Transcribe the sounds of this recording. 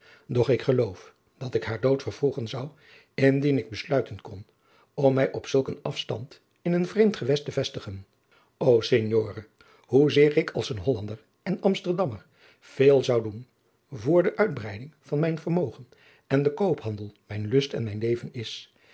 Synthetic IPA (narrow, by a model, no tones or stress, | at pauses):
dɔχɪkχəlowf | d̥ɑtɪkɦaːɹdowtfəɹvuχənzɑw | ɪndinɪɡ̚bəslœɥtənkɔn | ɔmːɛjʔɔpsɵlˠkənɑfstɑ̰nt | ɪnənvrejmtχəʋɛstəvɛstəχən | owseɲjoːrə | ɦuzɪːrɪkʰɑ̰lˠsənɦɔlɑndəɹ | ɛnɑmstəɹdɑməɹ | v̥eːlˠzɑwdun | vʊːɹdəʔœɥd̚brɛjdɪŋv̥ɑnmɛjnvəɹmowχən | ɛndəkowpɦɑndəlˠmɛjnlɵstɛ̰nmɛjnlejvənɪs